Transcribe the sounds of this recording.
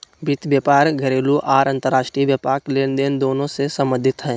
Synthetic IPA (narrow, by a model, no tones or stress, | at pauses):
bit̪bjəpaːɾɡʱəɾeːluʔaːɾə̃nt̪əɾaːʃʈɾiʋjəpaːkleːnd̪eːnd̪oːnõsesə̃mə̃d̪ʱɪt̪ɦɛ̃ː